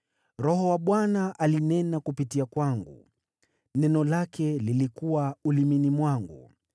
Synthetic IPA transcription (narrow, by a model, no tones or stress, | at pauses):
ɾɔɦɔwaɓwanaʔalinɛnakupitiakwaŋɡṵ | nɛnɔlakɛlilikuwauliminimwaŋɡṵ